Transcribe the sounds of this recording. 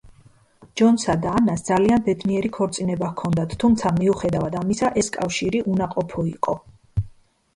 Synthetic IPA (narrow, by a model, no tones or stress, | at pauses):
d͡ʒɔnsad̪aːnasd̪zalianbɛd̪niɛɾikʰɔɾt̪sʼinɛbakʰɔnd̪at̪ʰt̪ʰːumt̪sʰamiuχɛd̪avad̪amisaʔɛskʼafʃiɾiʔunaqʼɔpʰɔiqʼɔ